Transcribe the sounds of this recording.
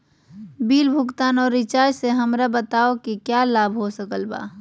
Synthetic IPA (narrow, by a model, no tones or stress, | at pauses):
biːlbʱʊkt̪aːnɔːɾit͡ʃajseɦəmɾabət̪aokikjalabʱɦosəkəlba̰